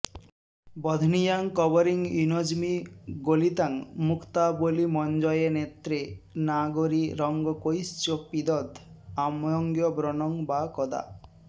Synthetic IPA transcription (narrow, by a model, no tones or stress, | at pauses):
bɔd̪ʱnijaŋkɔbɔɾiŋunod͡ʒmiɡolit̪aŋmukʰt̪abolimɔnd͡ʒɔjenet̪ɾenaɡoɾiɾɔŋɡɔkojst͡ʃopid̪ɔd̪amjɔŋɡjɔbɾɔnɔŋbakɔd̪a̰